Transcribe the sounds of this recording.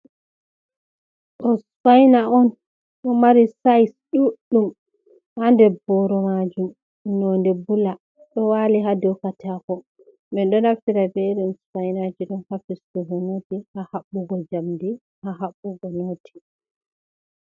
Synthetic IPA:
ʔɔsfajnaɔn | ʔɔmaɾisajsɗuɗːum | handɛbɔɾɔmad͡ʒum | nɔndɛbula | ɗɔwaliɦadɔwkatʰakɔ | mɛɗɔnafiɾabɛɾɛnsfajnad͡ʒiɗɔnhafistuɡɔnotihahaɓːuɡɔd͡ʒamdi | haɦaɓːuɡɔnoːtʰi̥

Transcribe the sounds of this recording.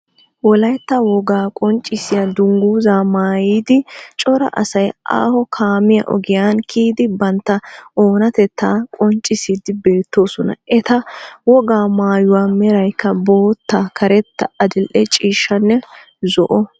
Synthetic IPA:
wɔlɐjt̪ːɐwɔɡaːkʼɔnt͡ʃʼːɪsɪjɐd̪ʊŋɡuːzaːmaːjiːd̪ɪt͡ʃʼɔɾɐ̰ʔɐsɐjʔa̰ːhɔkʰaːmɪjɐ̰ʔɔ̰ɡɪjaːnkʰiːd̪ɪbɐnt̪ːɐʔoːnɐt̪ɛt̪ːaːkʼɔnt͡ʃʼːɪsiːd̪ɪbe̞ːt̪ːo̞ːsɔnɐ̰ʔɛt̪ɐwɔɡaːmaːjʊwaːmɛɾɐjkːɐbo̞ːt̪ːaːkʰɐɾɛt̪ːɐɐd̪ɪlʔɛt͡ʃʼiːʃːɐnːɛ | zɔʔɔ

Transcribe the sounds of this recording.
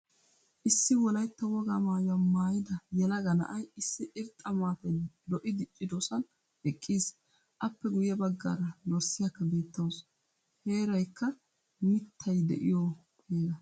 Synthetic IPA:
ʔɪsːɪwɔlɐjt̪ːɐwɔɡamaːjɐmːaːjɪd̪ɐjɛlɐɡɐnɐ̰ʔɐjɪsːɪʔɪɾt̪ʼːɐmaːt̪ɐjd̪ɔʔɪd̪ɪt͡ʃʼːɪd̪osɐn | ɛkʼːiːs | ʔɐpːɛɡʊjɛbɐɡːa̰ːɾɐd̪ɔɾsɪjɐkːɐbe̞ːt̪ːɐws | he̞ːɾɐjkːɐ | mɪt̪ʰːɐjd̪ɛ̰ʔɪ̰jo | heːɡɐ

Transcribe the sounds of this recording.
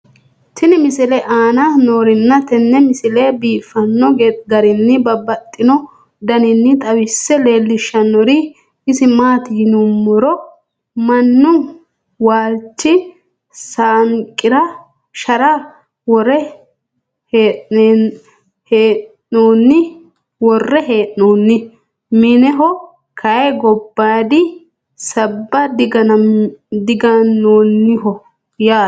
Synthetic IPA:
t̪ɪnɪmɪsɪlɛʔaːnanoːɾɪnːɐt̪ɛnːɛmɪsɪlɛbiːfːɐnːɔɡeɡɐɾɪnːɪbɐbɐt̪ʼːɪnɔ | d̪ɐnɪnːɪt̪ʼɐwɪsːɛle̞ːlːɪʃːɐnːɔɾi | ɪsɪmaːt̪ɪnʊmːɔɾɔ | mɐnːʊ | waːlt͡ʃːɪ | saːŋkʼːɪɾɐ | ʃɐɾɐ | wɔɾɛ | heːʔ | heː | oːnːɪ | wɔrːɛheːʔːoːnːɪ | mɪnɛɦɔ | kʰɐjɛɡɔbːaːd̪ɪ | sɐbːɐd̪ɪɡɐ | d̪ɪɡɐnːoːnːɪɦɔ | jaː

